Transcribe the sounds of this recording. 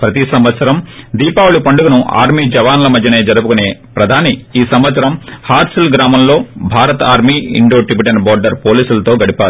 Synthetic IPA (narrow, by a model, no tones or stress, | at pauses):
pɾɐt̪isɐmʋɐt̪sɐɾɐmd̪iːpaːwulupɐɳɖuɡɐnuʔa̰ːɾmid͡ʒɐʋaːnlɐmɐd̪ʱjɐne̞ːd͡ʒɐɾupukune̞ːpɾɐd̪ʱaːniiːsɐmʋɐt̪sɐɾɐmhaːɾsɐlɡɾaːmɐmlo̞ːbʱaːɾɐt̪aːɾmiːḭɳɖo̞ːʈɾibiʈɐɳʈbɔːɾɖɐɾpoːliːsulɐt̪oːɡɐɽipaːɾuu